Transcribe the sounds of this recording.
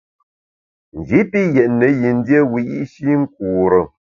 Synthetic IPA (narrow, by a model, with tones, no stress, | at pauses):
n̩˨d͡ʒi˨˦pi˦jɛ˨ʔnə˨˦ji˨n˦dje˦wi˨ḭ˦ʔʃi˦ŋ̩˦k̚uː˨ɾə˨